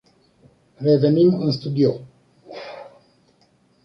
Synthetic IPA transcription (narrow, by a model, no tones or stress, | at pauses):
revenimɨnst̪ud̪io